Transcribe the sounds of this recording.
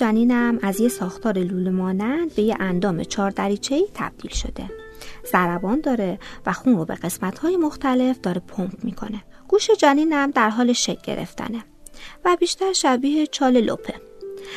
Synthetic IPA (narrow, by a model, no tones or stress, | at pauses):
æniːnæmæzjesɒːxt̪ʰɒːɾeluːlemɒːnd̪ænd̪̚be̞jeʔænd̪ɒːme̞̰t͡ʃʰɒːɾd̪æɾiːt͡ʃʰe̞iːt̪ʰæ̰b̥̚d̪̥iːlʃo̞̰d̪̥e̞ | z̥æɾæbɒːnd̪ɒːɾe̞væxuːnɾobe̞̰ɢe̞smæt̪ʰhɒːjemo̞xt̪æle̞fd̪ɒːɾe̞pʰompʰmiːkʰo̞̰ne̞ | ɡ̥uːʃe̞d͡ʒæniːnæmd̪æɾɦɒːleʃec̚ɟḛɾḛft̪ʰæ̰ne | væbiːʃt̪æɾʃæbiːhe̞t͡ʃʰɒːle̞lo̰pʰe